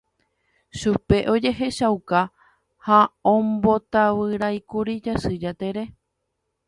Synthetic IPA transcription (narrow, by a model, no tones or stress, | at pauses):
ʃupe̞ʔo̞d͡ʒe̞ɦe̞ʃawka | haõmbo̞t̪aβɨɾajkuɾid͡ʒasɨd͡ʒat̪e̞ɾe̞